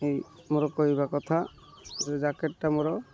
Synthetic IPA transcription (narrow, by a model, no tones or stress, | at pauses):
ej | mɔɾɔkoɦibakɔt̪ʰa | zɛd͡ʒakeʈːamɔɾɔ